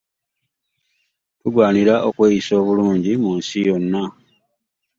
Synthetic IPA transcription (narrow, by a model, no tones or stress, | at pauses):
tuɡwaːniɾaʔokwe̞ːjiso̞ːβuluːɲɟimuːnsijo̞nːa